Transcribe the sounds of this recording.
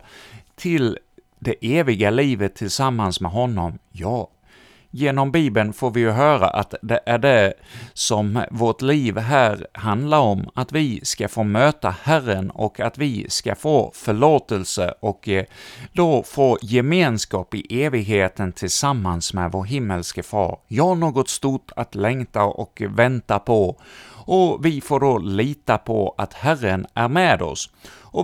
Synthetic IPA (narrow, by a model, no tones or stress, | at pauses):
t̪ʰɪl | d̪ɛʔeːvɪɡaliːvət̪ʰːɪlsamːansmɛɦɔnːɔmjɑː | jeːnɔmbiːbənfoːɾvɪjɵɦœːɾa̰ʔat̪d̪ɛʔæɖɛsɔmvoʈliːvɦæːɾhand̪laɾɔmːat̪vɪskafoːmøːt̪ahærənɔ̰kʰat̪vɪskafoːfœɭoːt̪əlsə̰ʔɔk | d̪ofoːjɛmeːnskɑːpɪʔeːvɪɡheːt̪ənt̪ʰɪlsamːansmɛd̪voːɾɦɪmːəlskəfɑ̰ːɾjɑaɳoːɡɔt̪st̪ʊʈʰːat̪lɛŋt̪aʔɔ̰kvɛnt̪apʰɔ | ɔvɪfoːɖoliːt̪apʰɔat̪hærənæɾmɛːd̪ɔ̰s | ɔ